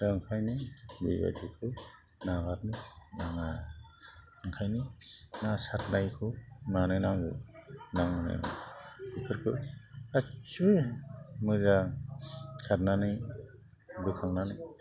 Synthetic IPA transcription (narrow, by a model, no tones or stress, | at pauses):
ɯŋkʰajnɯbḭba̰tʰikʰɯ | nabatnɯnaŋa | ɯŋkʰajnɯnasatnajkʰɯmanɯjnaŋɡɯ̰naŋnɯ̰ | ikʰɯɾkʰɯat͡ʃɯmɯza | satnanɯj | bɯkʰaŋnanɯj